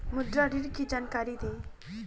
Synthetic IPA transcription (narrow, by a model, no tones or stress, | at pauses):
mʊd̪ɾaɖiɾkid͡ʒaːnkaːɾid̪eː